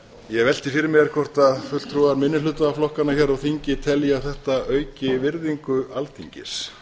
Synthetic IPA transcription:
jɛɣvɛl̥t̪ɪfɪɾɪɾmɛɾ̥kʰvɔr̥t̪aðfʏt̪l̥t̪ʰɾuːaɾmɪnːɪlʏt̪aflɔhkanaçɛɾɔɣθiɲcɪt̪ʰɛljaθɛht̪aœːɥcɪvɪɾðiŋkʏalt̪ʰiɲcɪ̰s

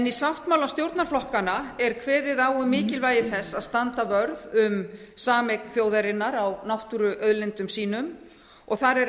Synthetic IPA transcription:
ɛnisawht̪mawlast̪jowɾt̪naɾ̥flɔhkanaɛɾkʰvɛːðɪðaːwʏmːɪːcɪlvaːjɪθɛsːaðst̪ant̪avœɾðʏmsaːmɛjkn̥fjoːwðaɾɪnːaɾawnawht̪uɾʏʔœðlɪnt̪ʏmsiːnʏm | ɔɣθaɾɛɾ

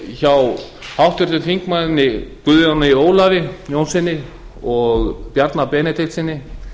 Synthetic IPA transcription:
çaw | hawht̪ʏɾ̥t̪ʏθiŋkmaðɪnːɪkvʏðʏanːaioːwlavɪjoːwnsɪnːɪ | ɔɣpjaɾt̪napɛːnɪt̪ʰeht̪sɪnːɪ

